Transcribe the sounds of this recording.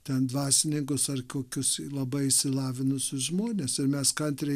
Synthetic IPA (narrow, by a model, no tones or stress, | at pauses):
t̪ʲɛnd̪ʋɑːsʲɪnʲɪŋkʊsɐrkoːkʲʊslˠɐbɐɪɪʃʲsʲɪlˠɑːʋʲɪnʊsʲʊsʒmoːnʲeːsɪɾmʲɛskɐnʲt̪ʲɾʲɛ